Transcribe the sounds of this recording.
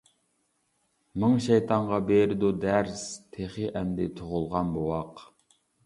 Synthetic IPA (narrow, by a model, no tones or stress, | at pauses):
mɨŋʃɛjt̪ʰɑɴʁɑbeɾɪd̪ud̪æɾst̪ʰeχɨʔɛmd̪ɪt̪ʰoʁʊlˠʁɑnbowɑq